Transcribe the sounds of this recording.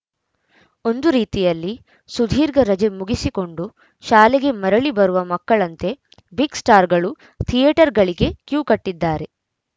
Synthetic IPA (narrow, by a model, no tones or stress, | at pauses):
o̞nd̪uɾiːt̪ijɐlːi | sud̪ʱiːɾɡɐɾɐd͡ʒemuɡisiko̞ɳɖu | ʃaːleɡe̞mɐɾɐɭibɐɾuʋɐmɐkːɐɭɐnt̪e̞ | biɡsʈaːɾɡɐɭu | t̪ʰijeʈɐɾɡɐɭiɡe̞kjuːkɐʈːid̪ːaːɾe̞